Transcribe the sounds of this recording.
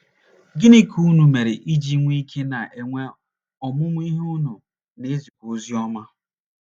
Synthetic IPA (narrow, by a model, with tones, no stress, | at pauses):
ɡi˦ni˦kʰu˦nu˨me˨ɾe˨ʔi˦d͡ʒi˦ŋʷ˦i˦kʰe˦na˨ʔe˨ŋʷe˦ | ɔ˨mʊ˦mʊ˦i˦ɦʊ˦nʊ˨ | ne˨˦zi˨kʷo˦zi˦ɔ˦ma˦